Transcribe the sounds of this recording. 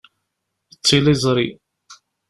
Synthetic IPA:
ət͡sːilizˤɾˤi

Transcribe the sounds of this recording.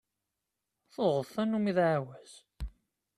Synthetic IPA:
θoʁðθænumiðʕawæz̥

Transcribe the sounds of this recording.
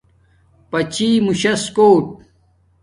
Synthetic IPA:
pɐt͡ɕimuɕɐskoːʈ̚

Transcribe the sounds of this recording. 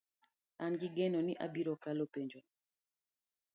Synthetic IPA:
anɡiɡɛnɔniʔa̰biɾɔkalopeɲd͡ʒo

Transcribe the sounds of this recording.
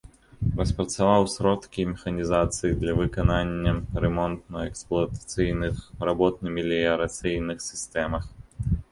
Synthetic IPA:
rɐspɾɐt̪savawsʲɾɔt̪kʲimʲɛxɐnʲizat̪sɨjid̪lʲɐvɨkananʲːɐɾɛmɔnt̪̚nɐɛksplˠɐt̪ḁt̪sɨjnɨxrabɔt̪̚nɨmʲilʲiɐɾat̪sɨjnɨxsʲist̪ɛmɐx

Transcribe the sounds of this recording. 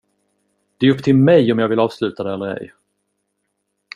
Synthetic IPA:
d̪̥ɛæɵpːt̪ʰɪlmɛjɔmjɑːɡvɪlɑːvslʉ̟ːt̪ad̪ɛɛlːəɾɛ̰j

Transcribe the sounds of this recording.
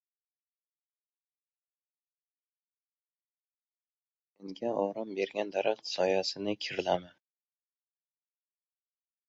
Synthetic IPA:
meŋɡʲaɒɾɑmbe̞ɾɡʲand̪aɾaχt̪sɒjasɪnɪkʲʰɪɾɪlamɪ

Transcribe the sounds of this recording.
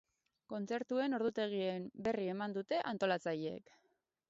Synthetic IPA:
ko̞nt͡se̞ɾt̪ue̞no̞ɾðut̪e̞ɣ̞iembe̞rie̞mand̪ut̪e̞ʔant̪o̞lat͡sajeḛk

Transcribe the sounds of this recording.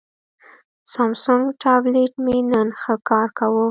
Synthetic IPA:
sɑmsʊŋɡʈɑbleʈmenənxəkɑɾkawu

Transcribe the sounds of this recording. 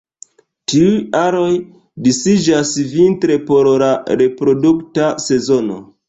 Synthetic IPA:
tiujaɾo̞j | disid͡ʒasvintɾe̞po̞ɾlaɾe̞pɾo̞duktase̞zo̞no̞̰

